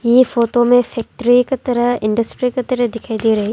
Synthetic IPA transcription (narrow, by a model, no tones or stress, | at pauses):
jefoːʈomẽfʰɛːk̚ʈɾiket̪ɐɾəɦɪ̃ɳɖəsʈɾiket̪ɐɾəɦd̪ɪkʰaːid̪iɾɐɦe